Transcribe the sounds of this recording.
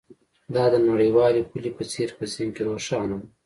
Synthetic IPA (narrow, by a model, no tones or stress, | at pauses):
d̪ɑd̪ənaɽəjwɑːlepulepət͡seɾpəziŋkeɾoʂɑːnam